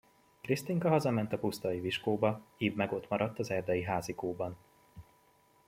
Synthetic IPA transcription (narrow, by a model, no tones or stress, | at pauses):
krist̪iŋkɒɦɒzɒmɛnt̪ɒpust̪ɒjiviʃkoːbɒiːbmɛɡot̪mɒɾɒt̪ːɒzɛrd̪ɛjiɦaːzikoːbɒn